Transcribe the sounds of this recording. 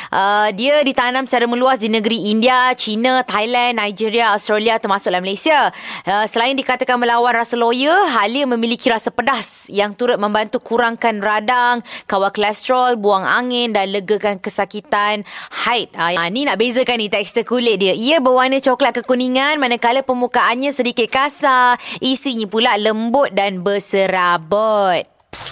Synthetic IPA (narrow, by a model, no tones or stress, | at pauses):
ʔədiədit̪anãmsəaɾamə̃luasdinəɡəɾiindiat͡ʃinat̪ajlɛnːajd͡ʒiɾiaast̪ɾaliat̪ərmasʊk̚laməlajsiaəsəlaɪndikat̪akanməlawanrasalojəɦaləmə̃milikiɾasapədasjaŋt̪uɾʊt̪̚mə̃mbant̪ukuɾaŋkanradaŋkawaklast̪ɾɔlbuaŋa̰ŋɪndanləɡəkankəsakit̪anhajt̪̚janinaʔbezəkanːĩt̪ɛk̚st̪əkulɪʔ̚diəiəbəwanət͡ʃoklaʔkəkuniŋanmanakaləpəmukaʔanɲãsədikɪt̪̚kasaʔisiɲipulaləmbʊt̪̚danbəsəɾabət̪̚